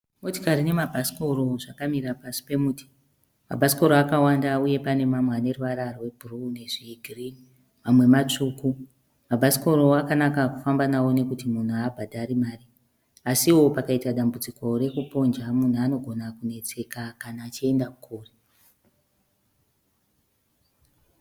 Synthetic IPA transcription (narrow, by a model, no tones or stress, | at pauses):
moto̥kaɾine̞mabʱasi̥ko̞ɾo̞ʐakamiɾapasi̥pe̞muti̥ | ma̰bʱasi̥ko̞ɾoakawandauje̞pane̞mamwane̞ruʋaɾarwe̞bʱurune̞ʐiːɡʱiri | mamwe̞mat͡ʂuːku | mabʱasi̥ko̞ɾo̞akanakakufambanawo̞ne̞kutimun̤uabʱadʱaɾimaːri | asiwo̞pakaitaɗambud͡ziko̞re̞kupo̞nd͡ʒamun̤uano̞ɡʱo̞nakune̞t͡se̞kakanaːt͡ʃie̞ndakukʰuːre